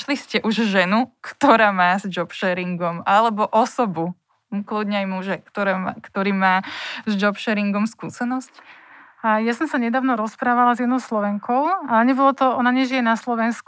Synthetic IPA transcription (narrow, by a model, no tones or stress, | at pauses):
ʃliscɛʔuʒʒɛnukt̪ɔɾaːmaːzd͡ʒɔpʃɛɾiŋɡɔmalɛbɔʔɔsɔbu | kludɲɛajmuʒɛkt̪ɔɾɛkt̪ɔɾiːmaːzd͡ʒɔpʃɛɾiŋɡɔmskuːsɛnɔsc | jasɔmsaɲɛd̪aːʊnɔɾɔspɾaːʋalazjɛd̪nɔʊslɔʋɛŋkʰɔʊalɲɛbɔlɔt̪ɔɔnaɲɛʒijɛnaslɔʋɛnsk